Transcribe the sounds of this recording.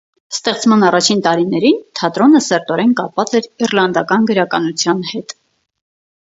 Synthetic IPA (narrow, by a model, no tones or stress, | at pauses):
st̪ɛχt͡smɑnɑrɑt͡ʃʰint̪ɑɾinɛɾint̪ʰɑt̪ɾɔnəsɛɾt̪ɔɾɛnkɑpvɑt͡sɛɾirlɑnd̪ɑkɑnɡəɾɑkɑnut͡sʰjɑnhɛt̪